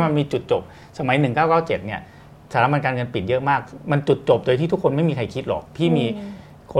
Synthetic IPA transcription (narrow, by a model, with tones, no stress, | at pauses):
ma˧nmiː˧t͡ɕu˨˩t̪̚t͡ɕo˨˩p̚ | sa˧ma˩˦jnɯ˨˩ŋkaː˥˩wkaː˥˩wt͡ɕe˨˩t̪̚ni˥˩ɐ | saː˨˦la˦˥pma˧nkaː˧nŋɤ˧npi˨˩t̪̚jɤ˦˥ʔmaː˥˩k̚ma˧nt͡ɕu˨˩t̪̚t͡ɕo˨˩p̚doː˧jt̪ʰiː˥˩u˦˥kʰːo˧nma˥˩jmiː˧kʰa˧jkʰi˦˥t̪̚lɔ̰˨˩k̚pʰiː˥˩miː˧ | kʰo˧